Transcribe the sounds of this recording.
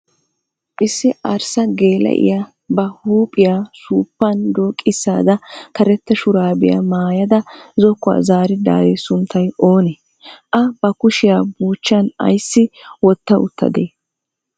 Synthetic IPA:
ʔɪsːɪʔɐɾsɐɡe̞ːlɛ̰ʔɪ̰ja | bɐhuːpʼɪjaːsuːpːɐnd̪oːkʼːɪsːa̰ːd̪ɐkɐɾɛt̪ːɛʃʊɾaːbɪja̰maːjɐd̪ɐzɔkːʊa̰zaːɾɪd̪a̰ːd̪eːsʊnt̪ʰːɐjo̞ːnɛ | ʔɐb̥ɐkʊʃɪjaːbuːt͡ʃːɐnɐ̰jsːɪwɔt̪ːɐʊt̪ːɐ̰d̪eː

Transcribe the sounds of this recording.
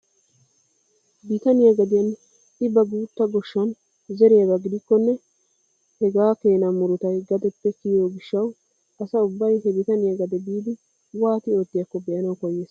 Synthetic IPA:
bit̪ɐnɪjɐɡɐd̪ɪjɐn | ɪbɐɡuːt̪ːɐɡɔʃːɐn | zɛɾɛjaɡaɡɪd̪ɪkːɔnːɛ | hɛɡaːke̞ːnamʊɾʊt̪ɐjɡɐd̪ɛpːɛkɪjoːɡɪʃːɐw | ɐsɐʊbːɐjɦɛbɪt̪ɐnɪjaɡɐd̪ɛbiːd̪ɪ | waːt̪ɪo̞ːt̪ːɪjɐkːɔbɛʔɐnɐwkɔjːeːs

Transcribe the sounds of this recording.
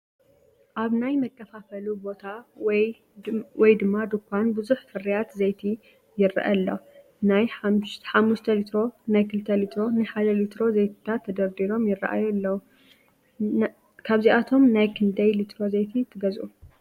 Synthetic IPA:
ʔaβnajmɐkʰːɐfafɐlubo̞t̪ʰaw | wɔjd̪ɨmːad̪ɨkʷʰːanbɨzuħfɨɾijat̪zejt̪ʰi | jɪra̰ʔɐlːo̰ | najħamːuʃt̪ʰɐlit̪ɾo̞najkʰɨlt̪ʰːɐlit̪ʰɾo̞nɨħad̪ɐlit̪ʰɾo̞zejt̪ʰɨ̥t̪ʰat̪ʰːɐd̪ɐɾd̪iɾo̞mjɪrːa̰ʔa̰jlːɐwu | kʰaβziʔat̪ʰo̞mnajkʰɨnd̪ɐjlit̪ʰɾo̞zejt̪ʰit̪ʰɨɡɐzʔu

